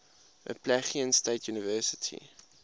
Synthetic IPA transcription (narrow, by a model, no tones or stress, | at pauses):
ʔə̰pʰlæχiənsteɪtʰjunəvɛsə̥tʰḭ